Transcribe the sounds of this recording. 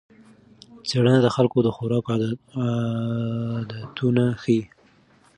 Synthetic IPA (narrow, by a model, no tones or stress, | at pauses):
t͡seɽənad̪əxalkod̪əxʊɾɑk | d̪at̪ʰunaxi